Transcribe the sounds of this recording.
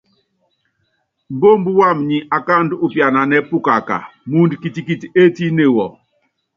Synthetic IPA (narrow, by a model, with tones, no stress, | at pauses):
m̩˨bo˦m̩˦bu˦wa˦˨mɲi˨ʔa˨ka˦˨ndu˨pja˨na˨nɛ˦pu˦ka˨ka̰˨mu˦ndki˨ti˨ki˦ti˨e˦ti˦ne˦˨wɔ˨